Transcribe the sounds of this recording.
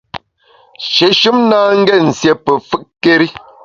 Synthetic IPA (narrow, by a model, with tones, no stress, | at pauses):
ʃe˨ʃu˦mnaː˦ŋ̩˦ɡɛ˦˨n̩˨sjɛ˨pə˨fɨ˦ʔkːe˦ɾi˦